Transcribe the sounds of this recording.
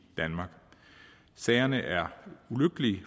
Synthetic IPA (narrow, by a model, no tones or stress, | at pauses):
d̥ænmɑ̈ːɡ̥ | sɛɪɐnəʔæɐuløɡ̥əli